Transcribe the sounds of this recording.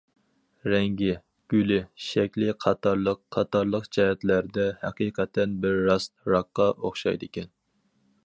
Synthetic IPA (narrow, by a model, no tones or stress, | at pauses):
ɾɛŋɡʲɪ | ɡ̥ʲylɪʃɛkʲlɪqʰɑt̪ʰɑɾlˠəqqʰːɑt̪ɑɾlˠəqt͡ʃɛɦɛt̪læɾd̪ɛhæ̰qijqʰɛt̪ʰːɛnbɪɾːɑst̪ɾɑqːɑʔoχʃɑ̰jd̪ɨkʲɛn